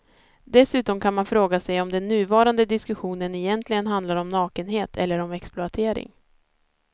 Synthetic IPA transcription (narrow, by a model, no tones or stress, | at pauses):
d̪ɛsʉ̟ːt̪ɔmkʰanmanfɾoːɡasɛjɔmd̪ɛnːʉ̟ːvɑːɾand̪əd̪ɪskɵɧuːnənɛjɛnt̪ʰlɪɡənɦand̪laɾɔmnɑːkənɦeːt̪ʰɛ̰lːəɾɔmɛksplʊat̪ʰeːɾɪ̰ŋ